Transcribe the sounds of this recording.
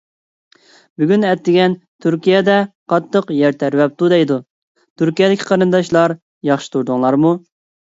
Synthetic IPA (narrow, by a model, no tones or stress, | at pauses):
byɡʲynɛt̪ʰːɪɡʲɛnt̪ʰyɾkʲijɛd̪ɛqʰɑt̪ːəqjæɾt̪ʰæɾwɛp̚t̪ud̪ɛjd̪u | t̪ʰyɾkʲijɛd̪ɪkʲʰi̥qʰɑɾɨnd̪ɑʃlˠɑɾ | jɑχʃɨ̥t̪ʰuɾd̪ʊŋlˠɑɾmu